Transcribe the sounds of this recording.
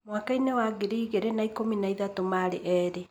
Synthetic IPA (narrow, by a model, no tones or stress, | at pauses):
mwakainewaɡeɾiːɣeɾenaikominaiðatomaɾeʔɛːɾe